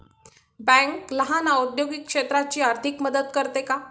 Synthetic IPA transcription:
bɛ̃ŋkləɦanaud̪joɡikːʂet̪ɾat͡ɕiːaɾt̪ʰikməd̪əd̪kəɾt̪eka

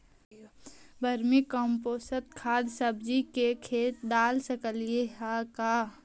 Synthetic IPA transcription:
bʱəɾmikɔ̃ːmpoːsət̪̚kʰaːd̪səbd͡ʒikekʰeːt̪̚d̪aːlsəkəlieɦakaː

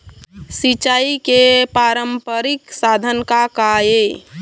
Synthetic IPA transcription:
sit͡ʃaːikepaɾəmpəɾiksad̪ʱənkakae

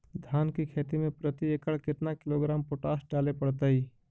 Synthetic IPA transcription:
d̪ʱaːnkikʰeːt̪imẽpɾət̪iekəɽkɪt̪nakɪloɡɾaːmpoʈaːsʈ̚ɖaːlepəɽt̪əi

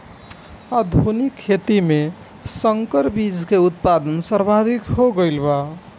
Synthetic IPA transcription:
ad̪ʱunikʰːet̪ime | səŋkəɾbid͡ʒʱkeut̪̚pad̪ənsəɾbʱad̪ʱikɦoɡəɪlba

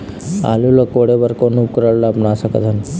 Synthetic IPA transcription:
a̰lulokoɽebəɾkonup̚kɾaɽlaːpɳaːsakə̰d̪ʱan

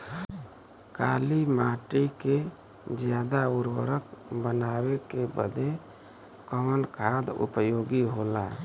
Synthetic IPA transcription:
kaːlimaʈike | d͡ʒjad̪auɾwə̰ɾəkbənawekebə̰d̪e | kəmənkʰad̪ṵpəjoɡiɦola

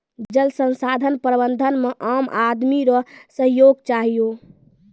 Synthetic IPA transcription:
d͡ʒəlsənsad̪ʱənpɾəbənd̪ʱənmeʔamad̪miɾɔsəɦjoɡt͡ʃaɦijo

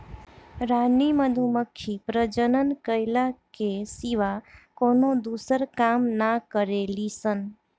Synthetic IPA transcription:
ɾaniməd̪ʱuməkʰːipɾəd͡ʒənənkəɪlakesiʋakonod̪usəɾkamnakəɾelisən

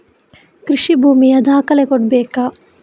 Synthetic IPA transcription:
kɾiʂibʱuːmijɐd̪aːkɐlekoʈ̚beːka

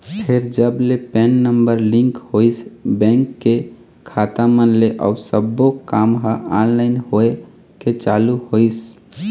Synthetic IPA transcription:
p̪ʰeɾd͡ʒəblepɛnːəmbəɾlĩŋkhojsbɛ̃ŋkːe | kʰat̪amənleʔa̰usəbːokamɦəanlaɪnɦoe | ket͡ʃaluhois

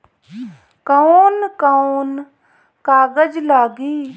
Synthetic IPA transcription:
kəonkaon | kaːɡəd͡ʒlaːɡiː

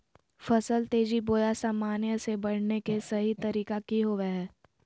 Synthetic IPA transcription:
fɐsəlt̪eːd͡ʒiboːjasaːmaːnjəsebɐɽ̤nekesɐɦit̪ɐɾiːkakiɦoːʋeɦɛː

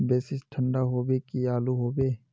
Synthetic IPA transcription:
beːsɪsʈʰə̃ɳɖaɦoːbekiaːluɦoːbeː

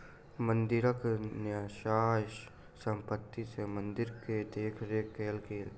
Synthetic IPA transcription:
mə̃nd̪ɪɾəknjaʃaː | sə̃mpət̪ːisemə̃nd̪ɪɾked̪eːkʰɾeːkeːlkeːl

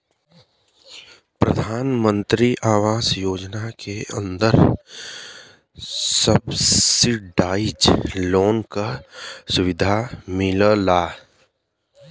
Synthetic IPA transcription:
pɾɐd̪ʱaːnmə̃nt̪ɾiʔaːʋaːsjoːd͡ʒnakʰeə̰̃nd̪əɾ | səbɪɖaːɪd͡ʒloːnkasʊʋɪd̪ʱamɪləlaː

